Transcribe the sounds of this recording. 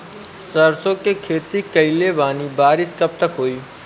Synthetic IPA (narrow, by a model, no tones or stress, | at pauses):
səɾsõːkekʰeːt̪ikəilebaːniːbaːɾɪskɐb̚t̪əkɦoːiː